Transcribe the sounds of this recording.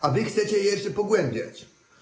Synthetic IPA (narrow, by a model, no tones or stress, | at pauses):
avɪxt̪sɛt͡ɕɛjjɛʂɛpɔɡwɛmbʲja̰t͡ɕ